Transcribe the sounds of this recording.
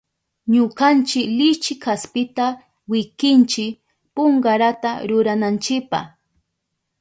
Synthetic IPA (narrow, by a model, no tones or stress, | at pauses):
ɲʊkant͡ʃɪklɪt͡ʃɪkʰaspɪt̪a | wɪkɪnt͡ʃɪk | poŋɢaɾat̪aɾʊɾanant͡ʃɪkpa̰h